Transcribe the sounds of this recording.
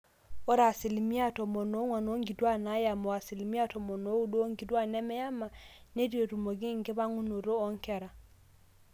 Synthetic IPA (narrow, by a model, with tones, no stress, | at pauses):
ɔ˦ɾa˨si˨li˨mi˦a˦tɔ˨mɔ˨nɔ˨˦ŋwa˨no˨˦ŋɡi˨dwa˦na˨˦ja˨mɔ˨a˨si˨li˨mi˦a˦tɔ˨mɔ˨no˨˦u˦do˦o˦ŋɡi˨dwa˦˨nɛ˦mɛ˦ja˦ma˨ne˦djo˨ɾu˨mo˨ɡɪ˦ŋɡβa˦ŋu˦no˨ɾo˦ɔ˨˦ŋ˦kɛ˨ɾa˨